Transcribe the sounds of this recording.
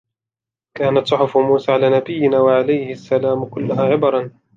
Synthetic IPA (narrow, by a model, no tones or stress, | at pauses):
kaːnat̪sˤʊħʊfʊmuːsaːʕalaːnabɪjːɪnaːwaʕalajhɪasːalaːmʊkʊlːʊhaːʕɪbɑɾˤɑn